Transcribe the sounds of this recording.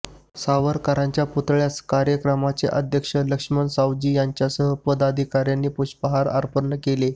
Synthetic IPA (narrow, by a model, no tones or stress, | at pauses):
saʋəɾkaɾãɲt͡ɕjaput̪ɭjaskaɾjəkɾəmat͡sḛʔəd̪ʱjəkʂələkʂmənsawd͡ʑiːjaɲt͡ɕjasəɦəpəd̪ad̪ʱikaɾjanːiːpuɕpəɦaɾa̰ɾpəɾnːəkele